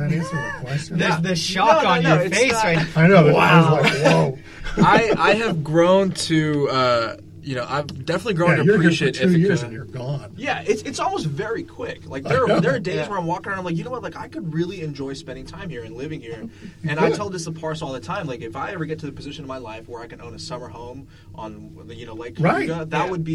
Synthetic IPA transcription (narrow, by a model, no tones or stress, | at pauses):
skʰɛðɨðɨʃɑ̃njnoɨtfeɪssaanoʊwalaɪwʊ | aɪʔaɪɨvɡɹõʊ̃ntʰʉʌ | jɨnoʊʔa̰ɪvdɛfənətˡliɡɹõʊ̃nɨ̥iəʃɪɾɨɨɪɹzɨ̃njə˞ɡɑ̃njæɪtsɨtsɔlˠmoʊstvɛɹikʰw̥ɪklaɪkðə˞ðə˞deɪzzwə˞ãɪ̃mwɔkɪ̃ŋə̃ñãɪ̃mlak̬jɨnoʊwʌt̚ˡlaɪkaɪkɨd̚ɹɪlˠiɨ̃nd͡ʒɔɪspɛ̃ndɪ̃ŋtʰãɪ̃mhiɹɨ̃nlɪvɪ̃ŋhiɹɨ̃naɪtʰɛlˠdd͡ʒɨsəpʰɑɹsɔlˠðətʰãɪ̃mlaɪkɨfaɪɛvə˞ɡɛtʰɨðɨpʰɨzɪʃɨ̃nʌvmaɪlaɪfwə˞aɪkɨ̃nʔõʊ̃nɨsʌmə˞hõʊ̃m | ʔə̃n | jɨnoʊlaɪkʰɹaɪɡəðət̚wəd̚bi